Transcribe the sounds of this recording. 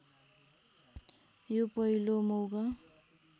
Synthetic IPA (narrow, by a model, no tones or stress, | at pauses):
jopʌilomowɡʌ